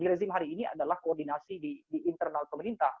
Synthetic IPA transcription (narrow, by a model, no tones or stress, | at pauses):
iɾezimɦaɾiːnia̰dalahkoɔrdinasididiːnt̪ərnalpəməɾint̪ah